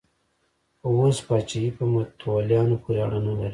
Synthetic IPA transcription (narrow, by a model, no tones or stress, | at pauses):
wospɑt͡ʃaipəmat̪wɑljɑnopʰuɾeaɽanalaɾi